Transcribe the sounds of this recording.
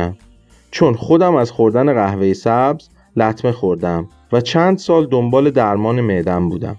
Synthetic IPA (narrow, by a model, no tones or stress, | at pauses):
æm | t͡ʃʰo̞nχo̞d̪æmæzxoɾd̪æne̞ɣæhvejesæbz̥ | læt̪ʰme̞xo̞ɾd̪æm | væt͡ʃʰænd̪sɒːld̪ombɒːle̞d̪æɾmɒːnemeʔd̪æmbuːd̪æ̰m